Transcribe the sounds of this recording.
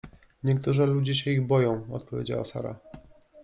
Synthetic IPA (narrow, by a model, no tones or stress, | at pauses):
ɲɛkt̪uʐɘlud͡ʑɛɕɛiɣbɔjɔ̃w̃ɔ̰t̪pɔvʲjed͡ʑa̰wa̰sa̰ɾa̰